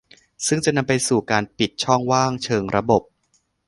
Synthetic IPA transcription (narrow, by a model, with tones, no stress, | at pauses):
sɯ˥˩ŋt͡ɕa˨˩ʔna˧mpa˧jsuː˨˩kaː˧npi˨˩t̪̚t͡ɕʰɔ˥˩ŋwaː˥˩ŋt͡ɕʰɤː˧ŋɾa˧bo˨˩p̚